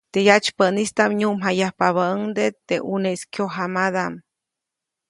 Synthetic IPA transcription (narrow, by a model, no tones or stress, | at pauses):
t̪ejat͡ʃpənist̪amɲumɦajahpaβaəŋd̪et̪eʔuneskjoɦamad̪am